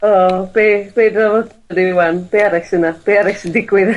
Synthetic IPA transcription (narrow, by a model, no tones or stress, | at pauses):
ɔb̥eb̥eːdravɔ | diwanb̥eːaɾɛksənab̥eːaɾɛksɪndɪɡwɪð